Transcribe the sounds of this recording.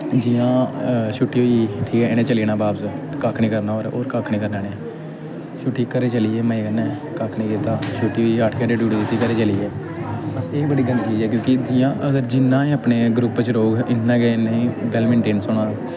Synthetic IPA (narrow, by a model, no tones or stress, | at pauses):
d͡ʒɪːjãːʃuʈːiːɦoːiːʈʰiːkɛːɪnẽːt͡ʃəliːnãːbaːbskakʰnĩːkəɾnaːoːɾo̰ːɾkaːkʰnĩːkəɾnaːnẽː | ʃuʈːiːkːəɾeːt͡ʃəliːeːməĩːkənɛ̃ː | kakʰnĩːkit̪ãːʃuːʈːiːoːiːaːʈʰkãːɖeːɖuːɖiːd̪ɪt̪ːiːkəɾeːt͡ʃəliːeː | pəseːbəɽiːɡəlt͡ʃiːd͡ʒɛːkjõːkɪd͡ʒɪjãːʔəɡəɾd͡ʒɪnːãːeːapneːɡɾʊpt͡ʃɾoːɡɪnːãːkeneĩːʋɛːlmẽːɳʈeːnsʊɽaːoː